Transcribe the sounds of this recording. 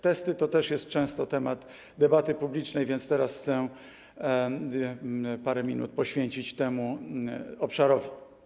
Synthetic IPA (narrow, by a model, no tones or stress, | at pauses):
t̪ɛst̪ɘt̪ɔt̪ɛʂjɛst̪̚t͡ʂɛ̃w̃st̪ɔt̪ɛmad̪ | d̪ɛbat̪ɘpublʲit͡ʂnɛjvʲjɛnt̪st̪ɛɾasxt̪sɛ | paɾɛmʲinṵt̪̚pɔɕfʲjeɲt͡ɕit͡ɕt̪ɛmu | ɔpʂaɾɔvʲi